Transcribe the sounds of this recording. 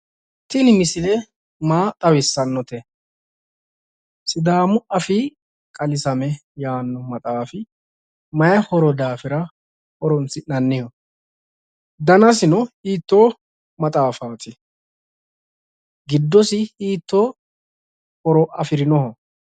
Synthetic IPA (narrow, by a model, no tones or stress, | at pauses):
t̪ɪnɪmɪsɪlɛ | maːt̪ʼɐwɪsːɐnːɔt̪ɛ | sɪd̪aːmʊʔɐfɪ | kʼɐlɪsɐmɛjaːnːɔmɐt̪ʼaːfɪ | mɐjɐhɔɾɔd̪aːfɪɾɐ | hɔɾɔnt͡sɪnɐnːɪjɔ | d̪ɐnɐsɪnɔhiːt̪ːoː | mɐt̪ʼaːfaːt̪ʰɪ | ɡɪd̪ːɔsɪhiːt̪ːoː | hɔɾɔʔɐfɪɾɪnɔɦɔ